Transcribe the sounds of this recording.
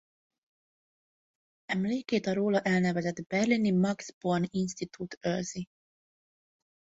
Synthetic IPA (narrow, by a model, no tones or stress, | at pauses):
ɛmleːkeːt̪ɒɾoːlɒʔɛlnɛvɛzɛd̪bɛrlinimɒɡz̥borninst̪it̪ʰut̪ørzi